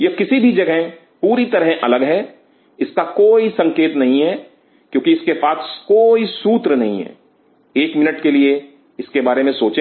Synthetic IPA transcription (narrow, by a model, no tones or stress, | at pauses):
jɐkɪsibʱid͡ʒɐɡɦẽ | puːɾit̪ɐɾɦʔɐləɡɦɛː | ɪskakoːisɐ̃ŋkeːt̪nɐɦĩɦɛ | kjõːkiɪskepaːskoːisuːt̪ɾnɐɦḭ̃ɦɛ̰ː | eːkmɪnəʈkelie | ɪskebaːɾemẽsoːt͡ʃẽ